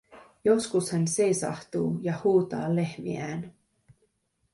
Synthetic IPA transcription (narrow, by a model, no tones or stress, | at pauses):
jo̞skushænse̞jsɑ̰ht̪uːjɑhuːt̪ɑ̰ːlːe̞hmḭæːn